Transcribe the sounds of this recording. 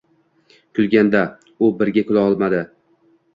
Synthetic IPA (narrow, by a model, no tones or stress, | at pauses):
kʰʊlɡʲand̪a | ʊbɪɾɡʲakʰʊlˠaɒlˠmad̪ɪ